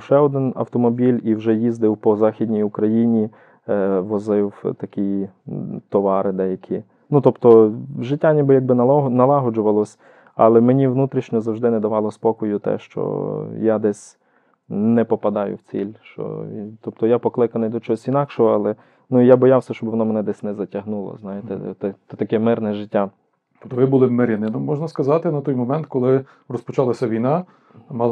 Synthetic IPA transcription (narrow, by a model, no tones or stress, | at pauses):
ʃɛɔd̪ɪnɐ̰wt̪ɔmɔbʲilʲiwʒɛjizd̪ɪwpɔzɑxʲid̪ʲnʲijʊkɾɐjinʲi | ʋɔzɪwt̪ɐkʲij | t̪ɔʋɑɾɪd̪ɛjɐkʲʰi | nut̪ɔpt̪ɔʒɪtʲːanʲibɪjaɡ̚bɪnɐlˠɑɦɔd͡ʒʊʋɐlˠɔsʲ | ɑ̰lˠɛmenʲiwnut̪ɾʲiʃnʲɔzɐwʒd̪ɪnɛd̪ɐʋɑlˠɔspɔkɔjʊt̪ɛ̰ʃt͡ʃɔ̰jad̪ɛsʲ | nɛpɔpɐd̪ɑjʊ̰wt͡sʲḭlʲʃt͡ʃɔ̰t̪ɔp̚t̪ɔjapɔklˠɪkɐnɪjd̪ɔt͡ʃɔɔsʲinɑkʃɔɦɔɑlˠɛ | nuijabɔjawsʲɐʃt͡ʃɔbʋɔnɔmɛnɛd̪ɛsʲnɛzɐtʲɐɦnulˠɔ̰znɑjɪt̪ɛt̪ɛɛt̪ɐkɛmɪrnɛʒɪtʲːa | t̪ɔpt̪ɔʋɪbulˠɪmeɾʲɐnɪnɔmɔʒnɐskɐzɑt̪ɪnɐt̪ɔjmɔmɛnt̪kɔlˠɪ | rɔspɔt͡ʃɑlˠɐsʲɐʋʲijnɑ | mɑ